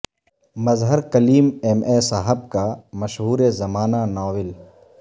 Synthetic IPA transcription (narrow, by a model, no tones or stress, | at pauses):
mɐzɦəɾkɐliːmɛmesaːɦəb̚kamɐʃɦuːɾezɐmaːnanɔːʋɪl